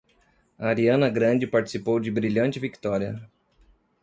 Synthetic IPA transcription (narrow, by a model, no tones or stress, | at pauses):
aɾiɐ̃nɐɡɾɐ̃d͡ʒɪpaɾt͡ʃɪ̥sipowd͡ʒɪbɾiʎɐ̃nt͡ʃɪvikt̪ɔɾiɐ̰